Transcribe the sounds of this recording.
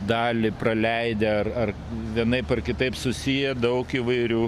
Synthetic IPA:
d̪ɑːlʲipɾɐlʲɛɪd̪ʲɛɐrɐr | ʋʲiɛnɐɪpɐrkʲɪt̪ɐɪpsʊsʲijɛd̪ɐʊkiʋɐɪɾʲuː

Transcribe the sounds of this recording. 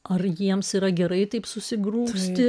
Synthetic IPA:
ɐrjiɛmsiːɾɐɡʲɛɾɐɪt̪ɐɪpsʊsʲɪɡɾuːsʲt̪ʲɪ

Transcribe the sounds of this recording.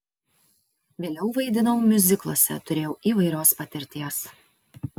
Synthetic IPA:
ʋʲeːlʲɛʊʋɐɪd̪ʲɪnoːmmʲʊzʲɪklˠo̰ɔsʲɛ̰t̪ʊɾʲeːjɛʊʔiːʋɐɪɾʲoːspɐt̪ʲɪɾʲt̪ʲiɛs

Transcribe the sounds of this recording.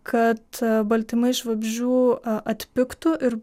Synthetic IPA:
kɐt̪bɐlʲt̪ʲɪmɐɪʃʋɐbʲʒʲuːɐt̪ʲpʲɪkt̪ʊʔɪɾ

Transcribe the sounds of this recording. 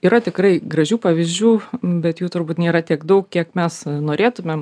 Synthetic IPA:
iːɾɐt̪ʲɪkɾɐɪɡɾɐʒʲuːpɑːʋʲɪzʲd͡ʒʲuːbʲɛt̪juːt̪ʊrbuːt̪nʲeːɾɐt̪ʲiɛkd̪ɐʊkkʲiɛkmʲɛsnoːɾʲeːt̪ʊmʲɛm

